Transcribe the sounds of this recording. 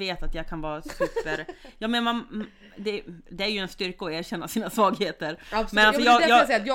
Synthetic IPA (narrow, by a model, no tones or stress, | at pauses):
eːt̪at̪jɑːɡkʰanvɑːɾasʉːpəɾjɑːmɛnman | d̪ɛd̪ɛæɾjɵɛnst̪ʏɾkəɔæːɾɕɛnːasiːnasvɑːɡheːt̪əɾsmɛnalsɔjɑːɡ̪jɑːsɛj